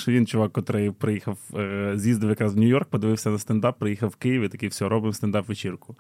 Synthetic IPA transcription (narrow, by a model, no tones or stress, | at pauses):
ʃɔʋʲint͡ʃʊʋɑkkɔt̪ɾɪjpɾɪjixɐwzʲjʲizd̪ɐʋwjɐkɾɑzwnʲʊjɔrk̚pɔd̪ɪʋɪwsʲɐnɐst̪ɐnd̪ɑpːɾɪjixɐwwːkɪjiʋit̪ɐkɪwsʲɔɔɾɔbɪmst̪ɐnd̪ɑpʋet͡ʃirkʊ